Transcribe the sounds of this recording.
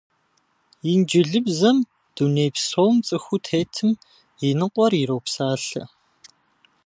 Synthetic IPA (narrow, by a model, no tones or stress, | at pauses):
jind͡ʒɪɮɨbzɐm | d̥uneːjpsowmt͡sʼɨxʷutʰeːtʰɨm | inɨqʷɔriɾowpsaːɬɐ̰